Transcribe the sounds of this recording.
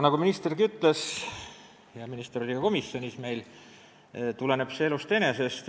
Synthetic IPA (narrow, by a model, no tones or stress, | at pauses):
nɑɡuminist̪erɡiyt̪ːˑles | jɑminist̪eɾolʲːiɡ̥ɑko̞misːjo̞nisme̞jl | t̪ule̞ne̞b̥seelust̪ene̞se̞st̪